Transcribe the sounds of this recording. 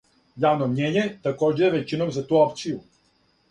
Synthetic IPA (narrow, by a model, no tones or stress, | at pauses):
jaːʋnomɲeːɲet̪akoːd͡ʑeʋet͡ɕinomzat̪uːopt̪siju